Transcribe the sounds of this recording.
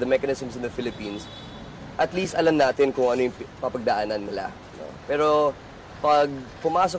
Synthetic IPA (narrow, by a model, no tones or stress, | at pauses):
d̪ɐmɛkɐnɪsmsɪnd̪ɐfɪlɪpiːns | ʔɐt̪liːst̪ʔɐlɐmnaːt̪ɪnkʊŋʔɐnojʊŋpɐpɐɡ̚d̪ɐʔanɐnːɪla̰ | no̰pɛːɾo̞ | pɐɡ̚pʊmaːso